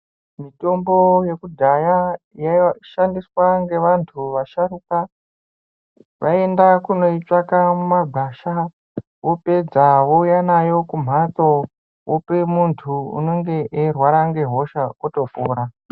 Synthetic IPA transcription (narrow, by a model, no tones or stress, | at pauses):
mito̞mbo̞je̞kudʱaja | jaʃandiswaŋɡe̞ʋantʰuʋaʃaɾuka | ʋae̞ndakuno̞it͡ʂakamumaɡʱaʃa | wope̞d͡zawoujanajo̞kum̤at̪o̞ | wʔopemuntʰuṵno̞ŋɡe̞ʔerwaɾaŋɡe̞ɦo̞ʃaoto̞poːɾa